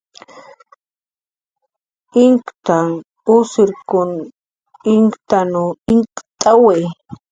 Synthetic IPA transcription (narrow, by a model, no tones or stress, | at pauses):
ɪŋkt̪aŋ | ʊsɪɾkʊn | ɪŋkt̪anoɪŋkt̪ʼawej